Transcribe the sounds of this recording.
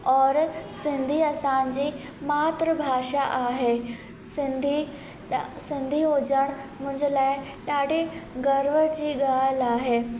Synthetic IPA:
ɔːɾsɪ̃nd̪ʱiɐsãːnd͡ʑiː | maːt̪ɾəbʱaːʃaʔaːɦeː | sɪnd̪ʱi | sɪ̃nd̪ʱiɦoːd͡ʑəɽ̃mʊ̃ɦɪ̃ɲd͡ʑəlaːɪ | ɗaːɽʱeɡɐɾʋəd͡ʑiːɡaːlaːɦeː

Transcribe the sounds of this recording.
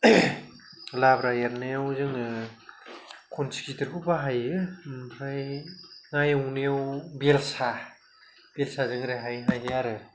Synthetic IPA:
labɾajaɾnajawzɯŋɯ | kʰɔnsi̥kitɯɾkʰubaɦajɯhajŋajawnejawbelsa | belsazɯŋɾeɦajɦajɦaɾɯ

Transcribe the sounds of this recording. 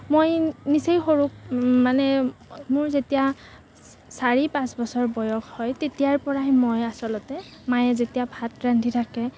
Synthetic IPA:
mojnisejxoɹuk̚manɛmʊɹzetija | saɹipãsbɔsɔɹbɔjɔkhɔjtetijaɹpɔɹaɦɛmojasɔlɔtɛmajɛzetijabʱat̚ɹantʰitʰakɛ

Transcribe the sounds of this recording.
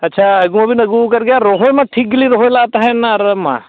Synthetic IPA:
ɐtːʃʰaɐɡumãbʱinɐɡukɐɾɡjaɾoɦojmãʈʰikliɾoɦojlat̪aɦɛnaɾəmã̰

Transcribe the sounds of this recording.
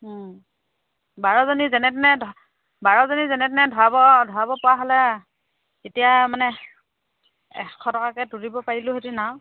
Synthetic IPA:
baɹɔzɔnizɛnɛtnɛdʱɔ | baɹɔzɔnizɛnɛtnɛdʱɔɹabɔdʱɔɹabɔpɔwaɦɔlɛ | etijamanɛ | ɛ̰kʰːɔtɔkakɛduɹibɔpaɹilʊɦetinaw

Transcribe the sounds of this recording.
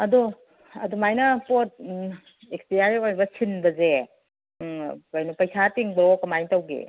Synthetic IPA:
ɐdo | ɐdumajnɐpot̚ | ekspiaɾiojɾbɐsʰinbɐze | pajnupɐjsatiŋbɐokɐmajtɐwɡḛ

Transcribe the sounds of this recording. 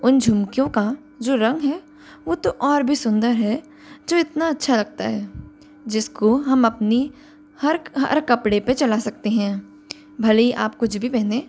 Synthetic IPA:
ʊnd͡ʒʱʊmkjõka | d͡ʒoːɾɐ̃ŋɡɦɛː | ʋot̪oʔɔːɾbʱisʊ̃nd̪əɾɦɛ | d͡ʒoːɪt̪naɐtːʃʰalɐɡ̚t̪a̰ɦɛː | d͡ʒɪskoɦɐmɐpni | hɐɾɦɐ̰ɾkɐpɽepet͡ʃɐlasɐkt̪eɦɛ̃ː | bʱɐliʔa̰ːp̚kʊt͡ʃʰbʱipɛɦneː

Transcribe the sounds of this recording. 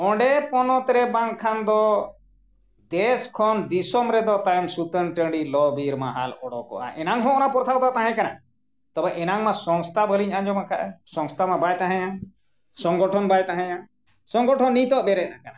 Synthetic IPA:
ɔ̃ɖɛpɔnɔt̪ɾɛbaŋkʰand̪ɔ | d̪ɛskʰɔnd̪isɔmɾɛd̪ɔt̪ajmsut̪ənʈə̃ɳɖilɔbiɾmaɦa̰lɔɽɔ̰kɔ̰ʔa̰ʔɛnaŋɦɔ̃ɔnapɔɾt̪ʰawd̪ɔt̪ãɦɛ̃kana | t̪ɔbɛʔɛnaŋmasɔ̃ŋst̪ʰabəliɲaɲd͡ʒɔmakʰaʔɛsɔ̃ŋst̪ʰamabajt̪aɦɛ̃ja | sɔŋɡɔʈʰɔnbajt̪aɦɛ̃jã | sɔŋɡɔʈʰɔnːit̪ɔʔbɛɾɛˀnakana

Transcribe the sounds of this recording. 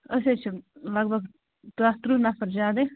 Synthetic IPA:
ɐset͡ʃʰilɐɡbʱɐɡ | t̪uast̪ɾunɐfɐɾd͡ʒaːd̪e

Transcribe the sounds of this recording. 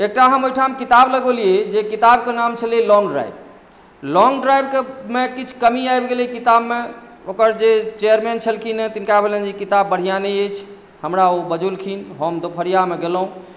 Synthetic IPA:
ek̚ʈaɦəmojʈʰamkit̪abləɡolijed͡ʒekit̪ab̚kenamt͡ʃʰəlelɔ̃ŋɡɖɾa̰jb | lɔŋɡɖɾajbkemekit͡ʃʰkəmiajbɡelikit̪abme | okəɾd͡ʒet͡ʃejəɾment͡ʃʰəlkʰinet̪inkabʱelend͡ʒikit̪abːəɽ̤ijanəjəjt͡ʃʰ | həmɾaobəd͡ʒulkʰinɦəmd̪opʰəɾijameɡeləɦũ

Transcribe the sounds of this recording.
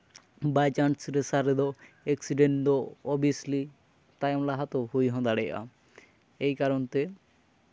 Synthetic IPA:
bajt͡ɕaɳsɾesaɾed̪o | eksiɖeɳʈoɔbisli | t̪ajmlaɦat̪oɦojɦɔ̃d̪aɽeʔa̰ | ejkaɾont̪e

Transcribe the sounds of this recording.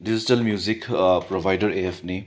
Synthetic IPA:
did͡ʒitɐlmjuzikpɾobʱajdɐɾeepʰni

